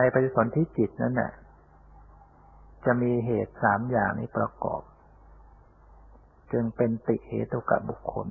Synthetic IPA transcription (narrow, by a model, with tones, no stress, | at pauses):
na˧jpa˧t̪u˧sʰo˩˦nt̪ʰiː˥˩t͡ɕi˨˩t̪̚na˦˥nːa̰˨˩ʔ | t͡ɕa˨˩miː˧ɦeː˨˩t̪̚saː˩˦mjaː˨˩ŋti˥˩pɾa˧kɔ̰ː˨˩p̚ | t͡ɕɯ˧ŋpe˧nt̪i˨˩ʔ̚heː˨˩˦t̪uː˧˩ka̰˨˩bu˨˩kʰːo̰˧n